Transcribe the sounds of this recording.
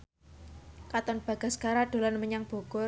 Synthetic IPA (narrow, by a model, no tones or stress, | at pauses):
kat̪ɔnb̥a̤ɡ̥a̤skaɾaɖ̥o̤lanməɲaŋb̥o̤ɡ̥ɔ